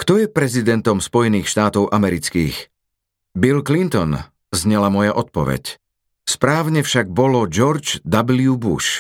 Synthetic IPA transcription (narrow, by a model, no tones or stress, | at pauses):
kt̪ɔjɛpɾɛzid̪ɛnt̪ɔmspɔjɛniːxʃt̪aːt̪ɔʊʔamɛɾit͡skiːx | bilklint̪ɔn | zɲɛlamɔjaʔɔt̪̚pɔʋɛ̰c | spɾaːʊɲɛfʃaɡ̚bɔlɔd͡ʒɔɾd͡ʒd̪abliubṵʃ